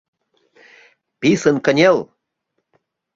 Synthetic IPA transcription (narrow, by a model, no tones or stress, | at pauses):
pisənkənʲelˠ